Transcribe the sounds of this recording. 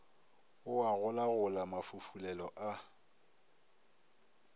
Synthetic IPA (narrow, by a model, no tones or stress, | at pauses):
ʊaɣʊlaɣʊlamafufulɛlɔʔa